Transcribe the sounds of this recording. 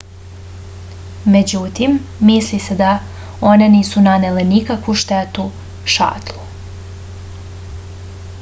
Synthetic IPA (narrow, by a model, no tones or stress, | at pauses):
me̞d͡ʑut̪imːislise̞d̪a | one̞niːsunanelenikakʋuʃt̪et̪u | ʃa̰ːt̪lˠu